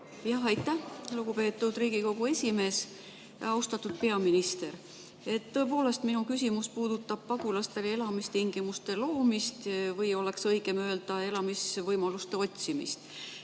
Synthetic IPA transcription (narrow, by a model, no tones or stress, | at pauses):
jɑɦɑjt̪ˑːæhluɡ̥upe̞ːt̪ːˑud̪riːɡiko̞ɡ̥ue̞sʲime̞ːs | ɑust̪ɑt̪ːˑud̪̥̚pe̞ɑminist̪e̞ɾ | e̞t̪ːo̞e̞p̬o̞ːle̞st̪minukysʲimuspuːd̪̥ut̪ːˑɑb̥̚pɑɡulɑst̪e̞le̞lɑmist̪iŋɡ̥imust̪e̞lo̞ːmist̪vɤjo̞le̞ksɤjɡe̞mø̞ːld̪̥ɑe̞lɑmisvɤjmɑlust̪e̞o̞t̪ʲsimḭst̪